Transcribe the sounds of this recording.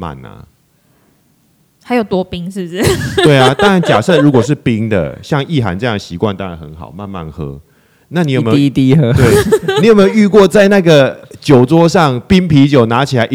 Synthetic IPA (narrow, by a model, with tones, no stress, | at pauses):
ma̰˨˩na̰˩ | xa˨˥ɪjo˨˩ʊt̪wɔ˦˥pi˦ŋʂɻ̩˥˨˩ʂɨ˥˩t̪we˥˩ɪa˨t̪ɑ˥ŋa˧˦nt͡ɕja˨˩sɤ˥˧˩ɻu˧˥kwɔ˨˩ʂ̬̩˥˨pi˦˥ŋd̪ə̰˨ɕjɑ˥˧ŋi˥˩ɦa̰˧˦nt͡sɤ˥˧jŋə˩ɕi˧˥kwa˥˧nt̪a˥˦ŋɻa˧˦xə̰˧˦nxɑ̰˨˩ʊma˥˧nma̰˥˩nxɤ̰˧˦ | na˥˩ni˨˧˦jo˨˩m˧t̪i˦ə˦t̪we˥˩ɪni˧˦jo˨˩me˧jo˧˦y˥˧kwɔ˥˨t͡sa˥˧ɪna˥˩ɡə˨˩t͡ɕjo˨˩ʊt͡swɔ˦ʂɑ˥˨ŋpi˦ŋpʰi˧˥t͡ɕjo˨˩ʊna˧˦t͡ɕʰi˨˩la˨˦ɪʔ